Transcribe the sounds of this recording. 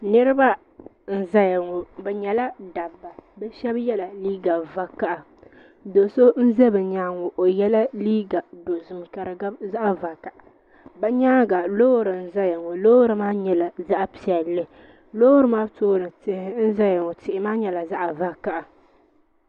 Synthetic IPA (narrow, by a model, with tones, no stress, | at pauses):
nɨ˦ɾɨ˦ba˦ | n̩˨za˦ja˨ŋɔ˨bɛ˨ɲɛ˨la˦da˨bːa˨bɛ˦ʃɛ˦bjɛ˦la˨liː˦ɡa˨va˨ka˦˨ʔa˨ | do˨so˦n̩˦zɛ˦bɨ˨ɲaː˦ŋɔ˨ʔo˨jɛ˦la˦liː˦ɡa˨do˨zʊ˨mka˨ɾɨ˨ɡa˦za˦ʔa˦va˨ka˨ʔa˨ | bɛ˦ɲaː˦ɡa˨lo˦ɾɨ˨n̩˦˨za˦ja˨ŋɔ˨lo˦hɾɨ˨maː˦ɲɛ˨la˨za˦ʔa˨pi˨ɛ˨lːɨ˦ | loː˦hɾɨ˨maː˦toː˦nɨ˨tɪ˦hɪ˦n̩˦za˦ja˨ŋɔ˨tɪ˨ʔɪ˨˦maː˦ɲɛ˨la˨za˦ʔa˨va˦ka˦ʔa˨